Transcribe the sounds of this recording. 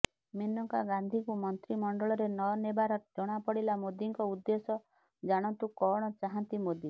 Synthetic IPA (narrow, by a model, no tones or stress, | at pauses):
menɔŋkaɡand̪ʱikumɔnt̪ɾimɔɳɖɔɭɔɾenɔnebaɾɔd͡ʒɔɽ̃apɔɽilamod̪iŋkɔud̪ːesɔ | d͡ʒaɽ̃ɔnt̪ukɔɽ̃ɔt͡ʃaɦant̪imod̪i